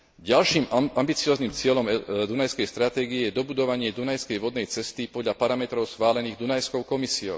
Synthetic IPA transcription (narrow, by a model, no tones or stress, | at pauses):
ɟalʃiːmambit͡siɔːznimt͡sɪɛʎɔmd̪unajskɛjst̪ɾat̪ɛːɡiɛjɛd̪ɔbud̪ɔʋaɲɪɛd̪unajskɛjʋɔd̪nɛjt͡sɛst̪ipɔd̪ʎapaɾamɛt̪ɾɔʊsxʋaːlɛniːɣd̪unajskɔʊkɔmisiɔ̰ʊ